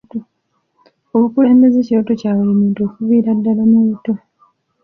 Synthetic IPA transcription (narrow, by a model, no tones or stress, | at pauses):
o | oβukule̞ːmbezeciɾoto̞caːweimiːnto̞ːkuβiːɾadːalamuβuto̞